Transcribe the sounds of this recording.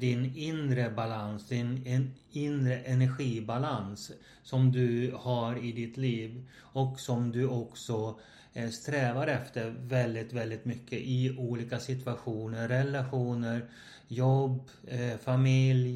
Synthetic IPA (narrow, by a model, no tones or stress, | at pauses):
d̪ɪnɪnd̪ɾəbalansd̪ɪn | ɪnd̪ɾəʔɛnæɾɧiːbalansː | ɔmd̪ɵhaɾɪd̪ɪt̪liːv | ɔksɔmd̪ɵɔksɔ | st̪ɾɛːvaɾɛft̪əɾvɛld̪ɪt̪vɛld̪ɪt̪mʏkʰːəʔɪuːliːkasɪt̪ɵaɧuːnəɾːɛlaɧuːnəɾ | jɔbː | famɪlj